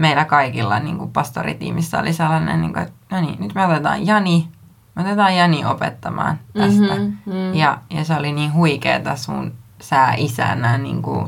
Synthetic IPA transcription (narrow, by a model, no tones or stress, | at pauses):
meilækɑikilːɑnḭːŋkupɑst̪o̰rḭt̪ḭːmisːæo̰liselːɑnḛnnḭːŋkoet̪nonḭnyt̪meot̪et̪ɑ̰̃ːjjɑni | meot̪et̪ɑːjjɑniopḛt̪ːɑmɑ̰ːnt̪æst̪æjɑjɑseoliniːnhuikḛːt̪ɑsunsæːʔisæ̰næːnḭːŋkṵ